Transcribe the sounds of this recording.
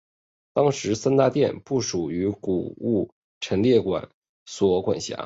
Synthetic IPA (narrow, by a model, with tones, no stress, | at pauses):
t̪ɑ˥ŋʂɻ̩˧˥sa˥nt̪a˥˧t̪jɛ˥˧npu˥˩ʂu˨˩y˧˥ku˨˩u˥˩ | ʈ͡ʂʰə˧˥nljɛ˥˩kwa̰˨˩˦n | swɔ˧˥kwa̰˨˩nɕja̰˧˥